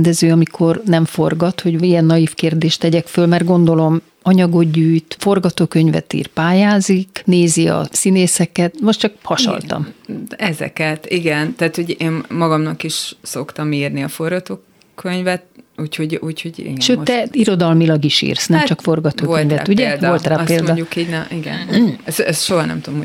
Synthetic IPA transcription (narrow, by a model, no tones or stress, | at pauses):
nd̪ɛzøːɒmikʰo̞rnɛɱfo̞rɡɒt̪ho̞ɟijɛnːɒjifkeːrd̪eːʃt̪ːɛɟɛkfølmɛrɡo̞nd̪o̞lo̞m | ɒɲɒɡo̞ɟyːjt̪fo̞rɡɒt̪oːkø̞ɲvɛ̰t̪ḭːrpaːjaːzikneːziɒ̰sineːsɛkɛt̪mo̞ʃtt͡ʃɒkhɒʃɒ̰lt̪ɒ̰mɛzɛ̰kɛt̪iɡɛnt̪aːt̪ho̞ɟeːnmɒɡɒmnɒkiʃso̞kt̪ɒmiːrniɒforɡɒt̪oː | kʰøɲvɛt̪̚uːcho̞ɟuːchoɟḭɡʃøːɛiɾo̞d̪ɒlmilɒɡiʃḭːrsnɛmt͡ʃɒkfo̞rɡɒt̪oːkølɲvɛuɟɛdvo̞lt̪raːpeːld̪ɟukiɟnɛiɡɛ̰nɛsɛsʃoɦɒnɛ̰mt̪ud̪omo